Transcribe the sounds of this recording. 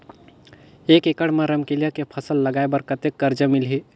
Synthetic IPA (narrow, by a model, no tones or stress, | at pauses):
eːkekəɽmãɾəmkelijakepʰəsəlːɐɡaːebəɾkət̪ekːəɾd͡ʒəmɪlɦi